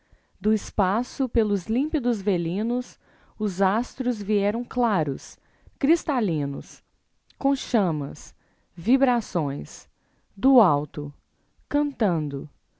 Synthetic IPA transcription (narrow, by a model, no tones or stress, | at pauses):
d̪ʊɪspasʊpelʊzlĩpid̪ʊzvelĩnʊs | ʊzast̪ɾʊzviɛɾɐ̃w̃klaɾʊs | kɾist̪alĩnʊ̰s | kõʃɐ̃mɐ̰s | vibɾasõj̃s | d̪ʊawt̪ʊ | kɐ̃nt̪ɐ̃nd̪ʊ